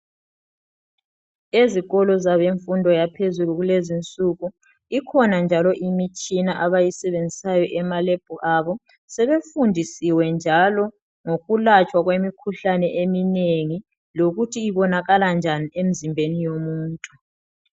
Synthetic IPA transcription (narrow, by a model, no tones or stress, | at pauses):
eziɣɔlɔzaβeɱfundʱɔjapʰezuluɣulezint͡sʼuɣu | ikʰɔnand͡ʒʱalɔʔimit͡ʃʼinaʔaβajisɛβend͡zʱisajɔʔɛmalɛb̥ʱuʔaβɔ | sɛβefundʱisiwɛnd͡ʒʱalɔ | ŋoɣulat͡ʃʼwaɣwemikʰuɬanɛʔemineŋi | loɣutʰiːβɔnaɣaland͡ʒʱaniem̩zimbʱenijomuːntʼu